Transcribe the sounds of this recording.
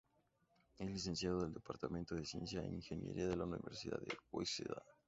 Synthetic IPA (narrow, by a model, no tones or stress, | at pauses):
ezlis̬e̞nsjaðoðeld̪epaɾt̪amẽnt̪oðesjẽ̞nsjaeniŋxenjeɾʔiaðelaunḭβeɾsiða̰ðeojseða̰